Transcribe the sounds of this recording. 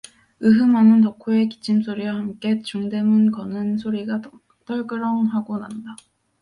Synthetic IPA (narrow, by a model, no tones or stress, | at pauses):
ɯɦɯmanɯntʌkʰoe̞ki̥t͡ɕʰimsʰoɾiwahamk͈e̞t͡ɕuŋde̞mɯnkʌnɯnsʰoɾiɡa | t͈ʌɭɡɯɾʌŋɦaɡonanda